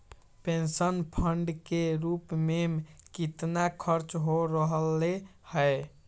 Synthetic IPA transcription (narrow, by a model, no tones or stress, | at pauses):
pensənpʰəɳɖkeɾupmemkit̪nakʰəɾt͡ʃɦoɾəɦəlːehəj